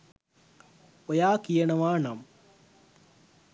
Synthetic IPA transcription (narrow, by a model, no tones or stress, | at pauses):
ojaːkijɐɳɐʋaːnɐm